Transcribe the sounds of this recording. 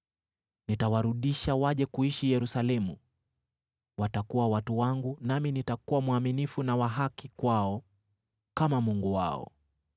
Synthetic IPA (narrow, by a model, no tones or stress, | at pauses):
nitawaɾuɗiʃawaʄɛkuiʃijɛɾusalɛmu | watakuwawatuwaŋɡunaminitakuwamwaminifunawaɦakikwaɔ | kamamuŋɡuwa̰ɔ̰